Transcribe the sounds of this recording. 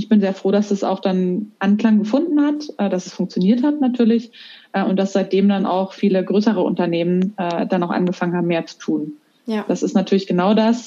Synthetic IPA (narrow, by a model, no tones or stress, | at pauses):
ɪçb̥ɪnzeːɐfʁ̥oːdasd̥asa̰ʊxd̥anʔankl̥aŋɡəfʊndn̩hatʔɛːdasɛsfʊŋk̚t͡sjoniːɐthatnatʰyːɐlɪçʔɛːʊnt̚d̥asz̥aɪt̚d̥eːmdana̰ʊxfiːləɡʁøːsəʁ̞əʔʊ̰ntɐneːmənʔɛːd̥anaʊxʔa̰nɡəfaŋənhaːbm̩meːɐt͡su̥tʰuːn | d̥asɪstnatʰyɐlɪçɡ̥ənaʊdas